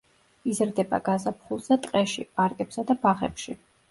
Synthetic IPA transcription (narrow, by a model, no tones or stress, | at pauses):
izɾd̪ɛba̰ɡazapʰχulˠzat̪ʼqʼɛʃḭpʼaɾkʼɛpsad̪abaʁɛ̰pʃi